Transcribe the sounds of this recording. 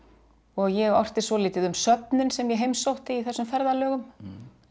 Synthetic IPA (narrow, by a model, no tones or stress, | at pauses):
ɔɣjɛɣɔr̥t̪ɪsɔlɪːt̪ɪðʏmsœt̪̚nʏnsɛmjɛɦejmsowht̪ɪiθɛsːʏmfɛɾðalœːɣʏm